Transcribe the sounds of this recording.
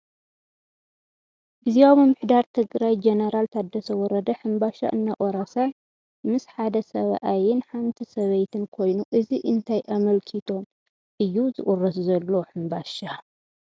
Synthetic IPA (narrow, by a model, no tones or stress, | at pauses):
biziaβɨmːɨħd̪aɾt̪ʰɨɡɾajd͡ʒenɐɾalt̪ʰad̪ːɐsɐwɔɾɐd̪ɐħɨmbaʃa̰ʔɨnːaʔʼoɾasaj | mɨsħad̪ɐsɐβʔajɪnħant̪ʰisɐβɐjt̪ʰɨnkʰo̞jnuʔɨziʔɨnt̪ʰajʔamɐlkʰit̪ʰo̞n | ʔɨjːuzɨʔʼurɐszɐlːo̞ħɨmbaʃa